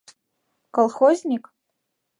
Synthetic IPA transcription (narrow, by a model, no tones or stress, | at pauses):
kolˠxozʲnʲikʼ